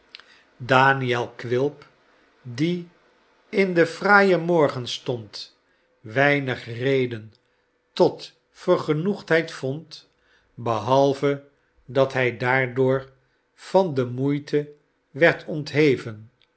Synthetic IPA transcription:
daːniɛlˠkʋɪlˠp | di | ɪndəfraːjəmɔɹχənstɔnt | ʋɛjnəχrejdən | tɔt | fəɹχənuχtɦɛjtfɔnt | bəɦɑlˠvə | dɑtɦɛjdaːɹdʊːɹ | v̥ɑndəmujtʰə | ʋɛɹtʰɔntɦejvən

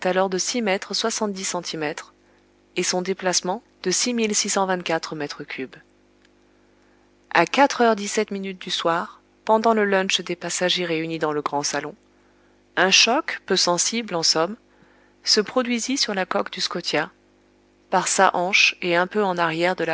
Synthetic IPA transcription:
t̪alɔʁd̪əsimɛt̪χəswasɑ̃t̪̚d̪isɑ̃t̪ʰimɛt̪χ | esɔ̃d̪eplasmɑ̃ | d̪̥əsimilsisɑ̃vɛ̃t̪̚kʲat̪χəmɛt̪χəkʲʰyb | a̰kat̪χœʁd̪isɛt̪minyt̪̚d̪yswaʁ | pɑ̃d̪ɑ̃ləlɔ̃t͡ʃd̪epasaʒeʁeynid̪ɑ̃ləɡʁɑ̃salɔ̃ | ɛ̃ʃɔkpøsɑ̃siblɑ̃sɔm | səpχɔd̪ɥizisyʁlakɔkd̪yskɔt̪ja | paʁsaʔɑ̃ʃeɛ̃pøɑ̃naʁjɛʁd̪əla

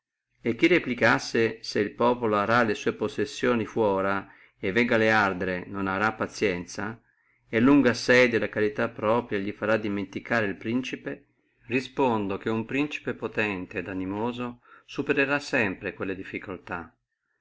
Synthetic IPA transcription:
ek̟ːireplikasːeseilpɔːpoloaɾalesuːeposesːjoːnifwɔːɾa | evːɛɡaleard̪ɾenonaɾapːat̪sjɛnt̪sa | elːuŋɡasɛjd̪elakaɾit̪apːɾɔːpɾjaʎifaɾad̪iment̪ikaːɾeilpɾint͡ʃipe | rispond̪ok̟eumpɾint͡ʃi̥pepot̪ɛnt̪eːd̪animoːzosupeɾeɾasːɛmpɾekwelːed̪ifːikolt̪a

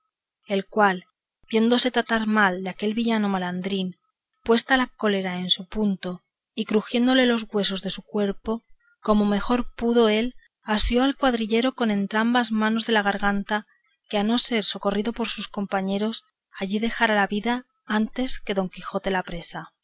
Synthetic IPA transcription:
e̞lkwal | bje̞nd̪o̞se̞t̪ɾat̪aɾmald̪eake̞lβiʝano̞maland̪ɾin | pwe̞st̪alako̞le̞ɾae̞nsupunt̪o̞ | ikɾuxje̞nd̪o̞le̞lo̞zɣwe̞so̞zðe̞sukwe̞ɾpo̞ | ko̞mo̞me̞xo̞ɾpuðo̞e̞l | asjo̞alkwaðɾiʎe̞ɾo̞ko̞nẽ̞nt̪ɾambazmãno̞zðe̞laɣ̞aɾɣant̪a | keano̞se̞ɾso̞ko̞riðo̞po̞ɾsusko̞mpaɲe̞ɾo̞s | aʝiðe̞xaɾalaβiða | ant̪e̞ske̞ðo̞ŋkixo̞t̪e̞lapɾe̞sa

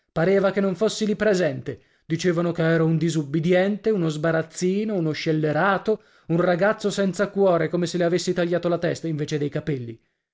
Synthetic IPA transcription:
paɾeːvakenːoɱfosːilipɾezɛnt̪e | d̪it͡ʃeːvanokeɛːɾaund̪izubːid̪jɛnt̪eunozbaɾat̪sːiːnounoʃːelːeɾaːt̪o | unraɡat̪sːosɛnt̪sakwɔːɾekomeseleavesːit̪aʎːaːt̪olat̪ɛst̪aiɱveːt͡ʃed̪ejkapelːḭ

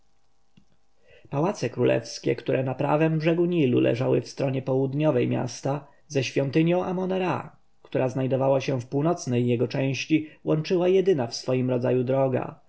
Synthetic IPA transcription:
pawat̪sɛkɾulʔɛ̰fskʲɛkt̪uɾɛnapɾa̰vɛmbʐɛɡuɲilṵlʔɛ̰ʐawɘ̰fst̪ɾɔɲɛpɔwud̪ɲɔvɛjmʲja̰st̪a | zɛɕfʲjɔnt̪ɘɲjɔ̃w̃ʔamɔnɛɾa̰ | kt̪uɾaznajd̪ɔvawaɕɛfpuwnɔt̪snɛjːɛɡɔt͡ʂɛ̃w̃ɕt͡ɕiwɔnt͡ʂɘwajɛd̪ɘnafsfɔjimɾɔd̪zajud̪ɾɔɡa̰

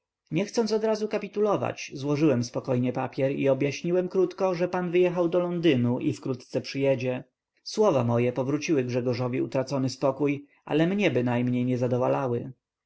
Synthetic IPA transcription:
ɲɛxt̪sɔnt̪sɔd̪ɾazukapʲit̪ulɔva̰t͡ɕzwɔʐɘwɛmspɔkɔjɲɛpapʲjɛɾḭɔbjaɕɲiwɛmkɾut̪kɔʐɛpanvɘjɛxawd̪ɔlɔnd̪ɘnuʔifkɾut̪t̪sɛpʂɘjɛd͡ʑɛ | swɔvamɔjɛpɔvɾut͡ɕiwɘɡʐɛɡɔʐɔvʲiut̪ɾat̪sɔnɘspɔkuj | a̰lɛmɲɛbɘnajmɲejɲɛzad̪ɔvalawɘ

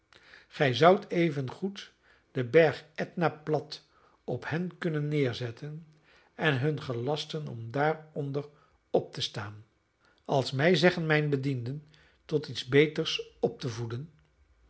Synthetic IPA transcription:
χɛjzʌwtʰejvənχut | d̥əbɛɹχɛtnaːplɑt | ɔphɛnkɵnənːɪːɹzɛtʰən | ɛnɦɵnχəlɑstənɔ̰mdaːɹɔndəɹ | ɔp̚təstaːn | ɑlˠsmɛjzɛχənmɛjnbədindən | tɔtitzbejtəɹsɔp̚təvudən

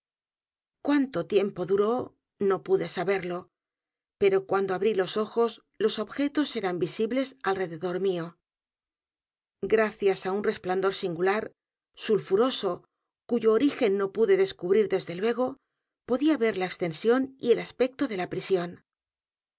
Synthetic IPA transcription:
kwant̪o̞t̪je̞mpo̞ðuɾo̞ | no̞puðe̞saβe̞ɾlo̞ | pe̞ɾo̞kwand̪o̞aβɾilo̞so̞xo̞s | lo̞so̞βxe̞t̪o̞se̞ɾambisiβle̞salre̞ðe̞ðo̞ɾmio̞ | ɡɾaθjasaunre̞spland̪o̞ɾsiŋɡulaɾ | sulfuɾo̞so̞ | kuʝo̞ːɾixe̞nːo̞puðe̞ðe̞skuβɾiɾðe̞zðe̞lwe̞ɣ̞o̞ | po̞ðiaβe̞ɾlaekst̪e̞nsjo̞nie̞laspe̞k̚t̪o̞ðe̞lapɾisjo̞n

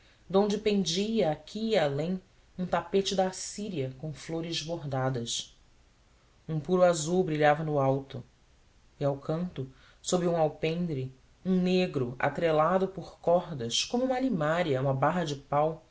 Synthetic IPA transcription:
d̪õnd͡ʒɪpẽnd͡ʒiɐːkʲʰiːalẽj̃ | ũt̪apet͡ʃɪd̪ɐːsiɾiɐkõfloɾɪzboɦd̪ad̪ɐs | ũpuɾʊazuwbɾiʎavɐnʊawt̪ʊ | iawkɐ̃nt̪ʊ | sobɾɪũawpẽnd̪ɾɪ | ũneɡɾʊʔa̰t̪ɾelad̪ʊpʊχkɔɦd̪ɐskõmuũmɐalimaɾiɐũmɐbaɦɐd͡ʒɪpaw

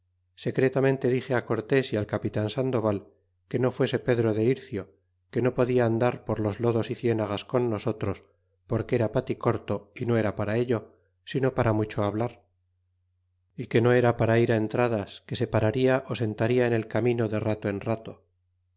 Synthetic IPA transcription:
se̞kɾe̞t̪amẽ̞nt̪e̞ðixe̞ako̞ɾt̪e̞sialkapit̪ansand̪o̞βal | ke̞no̞fwe̞se̞pe̞ðɾo̞ðe̞iɾθjo̞ | ke̞no̞po̞ðiaːnd̪aɾpo̞ɾlo̞zlo̞ðo̞siθje̞naɣasko̞nːo̞so̞t̪ɾo̞s | po̞ɾkeeɾapat̪iko̞ɾt̪o̞ino̞e̞ɾapaɾae̞ʎo̞ | sino̞paɾamut͡ʃoaβlaɾ | ike̞no̞e̞ɾapaɾaiɾae̞nt̪ɾað̞aske̞se̞paɾaɾiaʔo̞se̞nt̪aɾiaene̞lkamĩno̞ðe̞rat̪oe̞nrat̪o̞

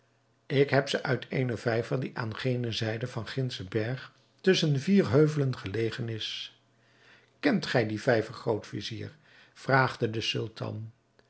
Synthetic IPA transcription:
ɪkɦɛpsəʔœɥtʰejnəvɛjvərdiʔaːnχejnəzɛjdəvɑnχɪnsəbɛɹχ | tɵsənviːɹɦøɥvələnχəlejχənɪs | kɛntχɛjdivɛjvərχrowtfḭzḭːɹ | v̥raːχdədəsʏ̰lˠtʰɑ̰n

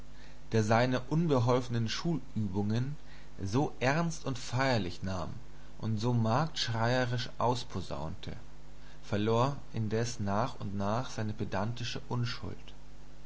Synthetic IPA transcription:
d̥eːɐzaɪnəʔʊnbəɦɔlfənənʃuːlʔyːbʊŋən | zoːʔɛɐnstʊntfaɪɐlɪçnaːm | ʔʊntz̥oːmaːk̚tʃʁ̥aɪəʁɪʃʔaʊspʰoza̰ʊntʰə̰ | fɛɐloːɐ | ʔɪndɛsnaːχʊntnaːχz̥aɪnəbedantɪʃəʔʊnʃʊ̰lt

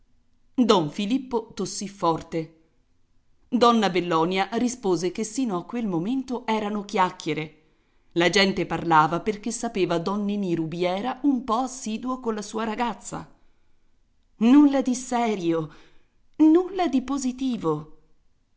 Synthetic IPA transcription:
d̪ɔɱfilipːot̪osːifːɔrt̪e | d̪ɔnːabelːɔːnjaɾispoːzekesːiːnoakːwelmoment̪oʔɛːɾanokjakːeɾe | lad͡ʒɛnt̪eparlaːvaperk̟esːapeːvad̪ɔnːeniɾubjɛːɾaʔumpɔasːiːd̪uokolːasuːaɾaɡat̪sːa̰ | nulːad̪isɛːɾjo | nulːad̪ipozit̪iːvo

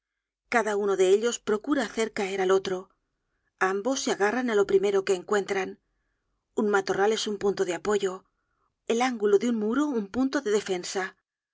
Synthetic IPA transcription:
kaðauno̞ðe̞eʎo̞spɾo̞kuɾaːθe̞ɾkae̞ɾalo̞t̪ɾo̞ | ambo̞sːeaɣaranalo̞pɾime̞ɾo̞ke̞ːŋkwe̞nt̪ɾan | uŋmat̪o̞rale̞sumpunt̪oðeapo̞ʝo̞ | e̞laŋɡuloðeuŋmuɾoumpunt̪o̞ðe̞ðe̞fe̞nsa

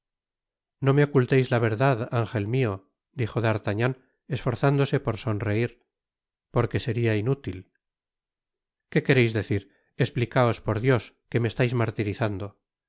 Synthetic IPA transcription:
no̞me̞o̞kult̪ejzlaβ̞e̞ɾðaðaŋxe̞lmio̞ | d̪ixo̞ðaɾt̪aɲan | e̞sfo̞ɾθand̪o̞se̞po̞ɾso̞nre̞iɾ | po̞ɾke̞se̞ɾiainut̪il | ke̞ke̞ɾejzðe̞θiɾ | e̞splikao̞spo̞ɾðjo̞s | ke̞meːst̪ajzmaɾt̪iɾiθand̪o̞

